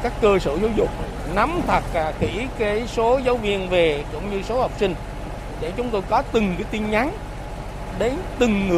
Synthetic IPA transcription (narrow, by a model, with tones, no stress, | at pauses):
kaː˦˥kːəː˧sə̰ː˧˩za˨˦wzʊ˨˩k͡p̚ | na˨˦mt̪ʰə˨˩t̚xi˧˩kaː˨˦jso˨˦zə˨˦wvḭ˧˨ənve˨˩kʊ̰˧˥˨ŋ͡mɲɨ˧so˨˦ha˨˩wk͡p̚sï˧ŋ̟ | ɗe˧˩t͡ɕʊ˨˦ŋ͡mt̪o˧jkɔ˨˦t̪ɨ˨˩ŋkaː˨˦jt̪i˧nɲa˨˦n | ɗe˨˦nt̪ɨ˨˩ŋːɨ˨˩